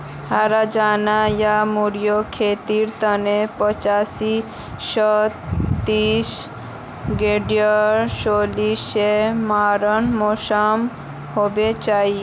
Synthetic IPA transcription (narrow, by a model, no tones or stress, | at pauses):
haːɾad͡ʒaːnajamuɾjokʰeːt̪iɾt̪ənepət͡ʃaːsi | sət̪t̪iːs | ɡeɖijəɾsoːlisemaːɾənmosam | hobet͡ʃaːɦi